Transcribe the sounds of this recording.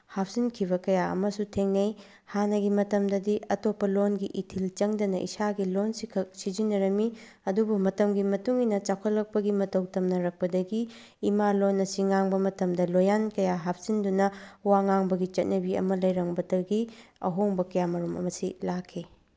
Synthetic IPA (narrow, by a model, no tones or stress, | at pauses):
hap̚ʰzinkʰibɐkɐjaɐ̰mɐsutʰeŋnɐj | hanɐɡimɐtɐmdɐdiɐtopːɐlonɡiʔitʰilt͡ʃɐŋdɐnɐʔḭsaɡilonsikʰɐk̚sid͡ʒinːɐɾɐmi | ɐdubumɐtɐmɡimɐtuŋinɐt͡ʃakʰɐlːɐk̚pɐɡimɐtɐwtɐmnɐɾɐk̚pɐdɐɡiː | malonːɐsiŋaŋbɐmɐtɐmdɐlojankɐjaɦap̚ʰz̥indunɐwaŋaŋbɐɡit͡ʃɐt̚nɐbiɐ̰mɐlɐjɾɐŋbɐtɐɡiɐ̰ɦoŋbɐkɐjamɐɾumɐ̰mɐsilakʰi